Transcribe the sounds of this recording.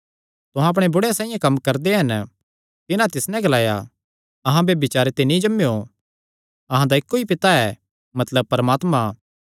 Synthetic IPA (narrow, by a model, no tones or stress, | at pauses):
t̪ʊɦãɐp̬ɽ̃ebʊɽeasãːĩjãkɐmːkɐɾd̪eɦɐn | t̪ɪnãt̪ɪsnɛ̃ɡɐlaːja | ɐɦãbebɪt͡ʃaːɾet̪enĩd͡ʒɐmːejo | ɐɦãd̪aɪkːoipɪt̪aɛː | mɐt̪ləb̚pɐɾəmaːt̪mã